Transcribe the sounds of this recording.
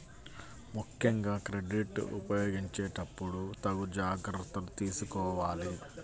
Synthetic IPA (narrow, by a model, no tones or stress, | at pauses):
mukʰjɐŋɡaːkɾeɖiʈṵpɐjoːɡiɲt͡ʃeːʈɐpːuɽut̪ɐɡud͡ʒaːɡɾɐɾt̪ːɐlut̪iːsukɔːʋaːli